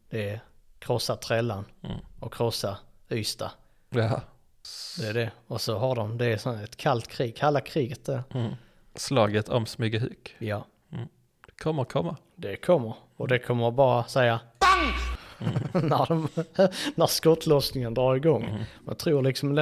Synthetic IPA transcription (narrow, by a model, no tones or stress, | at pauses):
d̪̥ɛkʰɾɔsːat̪ʰɾɛlːanɔkʰːɾɔsːayːst̪a | d̪̥ɛæɖɛɔsɔɦaɖɔmd̪ɛːsɔnɛt̪kʰalt̪kʰɾiːɡ̚kʰɛlːakʰɾiːɡət̪̚d̪æɾ | slɑːɡət̪ʰɔ̰msmʏɡəhʉ̰kjɑː | d̪̥ɛkʰɔmːəɾkʰɔmːa | d̪ɛkʰɔmːəɾ | ɔd̪ɛkʰɔmːəɾbɑːɾasɛjːa | næd̪ɔmnæɾskɔt̪ʰːlɔsnɪŋənd̪ɾɑːɾɪɡɔŋːmɛ̰nt̪ʰɾuːɾlɪksɔmd̪ɛ